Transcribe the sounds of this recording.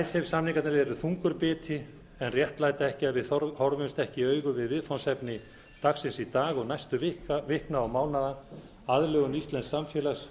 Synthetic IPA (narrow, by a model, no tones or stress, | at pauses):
ajsɛvsamniŋkat̪naɾɛɾʏθuŋkʏɾpɪːt̪ʰɪ | ɛnrjɛht̪laːjt̪aɛhcɪaðvɪðɔhɔɾvʏmst̪ɛhcɪœːɥɣʏvɪðvɪðfawnsɛpnɪ | t̪axsɪnsit̪aːɣɔɣnajst̪ʏvɪkvɪhknaːwmaːwnaða | aðlœːɣʏnist̪lɛnsamfjɛːlas